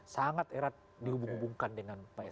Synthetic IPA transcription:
saŋat̪eɾat̪̚ | diɦubuŋɦubuŋkandəŋanpaɛ

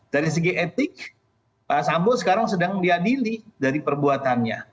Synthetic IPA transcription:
d̥aɾis̬əɡiʔet̪ɪk̚ | asambosəkaɾaŋsədaŋdiadilidaɾipərbuat̪anɲa

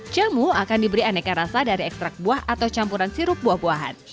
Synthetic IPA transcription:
t͡ʃamuakandibəɾianɛkaɾasadaɾiɛkst̪ɾak̚buahat̪awt͡ʃampuɾansiɾʊp̚buahbuaɦa̰n

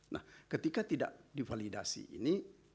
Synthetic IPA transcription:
na̰hkət̪ikat̪ida̰ʔdifalidasḭʔḭni

